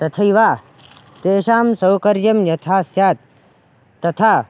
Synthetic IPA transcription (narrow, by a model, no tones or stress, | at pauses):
t̪ɐt̪ʰɐiʋaː | t̪eːʃaːmsɐwkɐɾjɐmjɐt̪ʰaːsjaːt̪̚ː | ɐt̪ʰaː